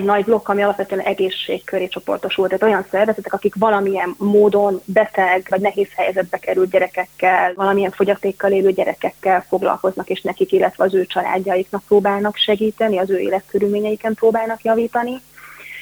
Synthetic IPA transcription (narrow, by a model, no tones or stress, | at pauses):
ɟnɒɟblo̞kːɒmiɒlɒpʋɛt̪øɛnʔɛɡeːʃːeːkkːøɾeːt͡ʃo̞po̞̰rt̪o̞ʃult̪aːt̪o̞jɒnsɛrvɛzɛt̪ɛkɒkikʋɒlɒmiɛmːoːd̪o̞nbɛt̪ɛɡvɒɟnɛɦeːshɛjɛzɛd̪̚bɛkɛɾylɟɛɾɛkɛkːɛlvɒlɒmiɛɱfo̞ɟɒt̪eːkːɒleːløːɟɛɾɛkɛkːɛlfo̞ɡlɒ̰lko̞znɒkeːʃnɛkikilːɛt̪ʋɛɒzøːt͡ʃɒla̰ːɟːɒjiknɒk̚proːbaːlnɒkʃɛɡiːt̪ɛniɒzøːḛːlɛt̪køɾylmeːɲɛjikɛmproːbaːlnɒkjɒviːt̪ɒni